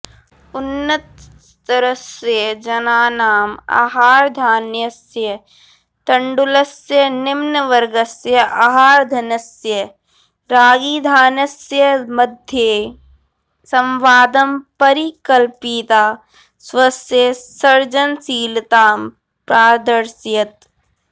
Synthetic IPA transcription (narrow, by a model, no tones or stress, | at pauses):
ʊnːət̪̚ | t̪ɐɾəsjəd͡ʒɐnaːnaːma̰ːɦaːɾd̪ʱaːnjɐsjə | t̪ɐɳɖulɐsjənɪmnəʋɐɾɡɐsjəʔaːɦaːɾd̪ʱɐnɐsjə | ɾaːɡiːd̪ʱaːnɐsjəmɐd̪ʱje | sɐ̃mʋaːd̪ɐmpɐɾikɐlpit̪aː | swɐsjəsɐɾd͡ʒənsiːlt̪aːm | pɾaːd̪əɾsjɐt̪